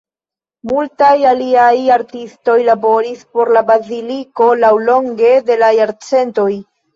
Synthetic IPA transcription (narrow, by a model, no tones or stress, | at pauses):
multajaliajaɾtisto̞jlabo̞ɾispo̞ɾlabaziliko̞lawlo̞ŋɡe̞de̞lajaɾt͡se̞nto̞j